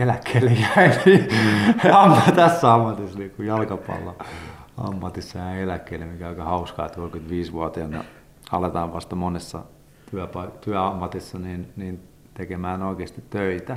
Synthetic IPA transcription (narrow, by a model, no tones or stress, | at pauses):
elækːeːlːejæini | ɑmːɑt̪æsːæɑmːɑt̪isːɑniŋkujɑlkɑpɑ̰lːoɑ̰mːɑt̪isːɑjæielækːeilːemikæɑikɑhɑuskɑ̰ːt̪olkyt̪ʋiːsʋuɑt̪iɑnḛ | ɑ̰let̪ɑːʋʋɑst̪ɑmonesːɑ̰ | t̪yæpɑit̪yæɑmːɑt̪isːɑniːnniːn | t̪ekemæːnoikeːst̪it̪t̪øit̪æ